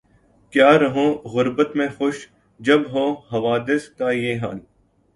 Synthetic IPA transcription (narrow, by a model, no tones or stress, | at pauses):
kjaːɾɐɦõːɣʊɾbət̪mẽxʊʃ | d͡ʒɐbɦõːɦɐʋaːd̪ɪskaːjeːɦa̰l